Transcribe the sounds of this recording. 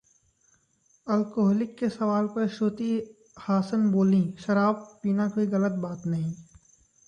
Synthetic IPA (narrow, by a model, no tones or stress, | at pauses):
ɐlkoɦɔːlɪkːesɐʋaːlpɐɾʃoːt̪i | haːsənboːlĩʃɐɾaːb̚piːnakoːiɣɐlət̪̚baːt̪nɐɦĩː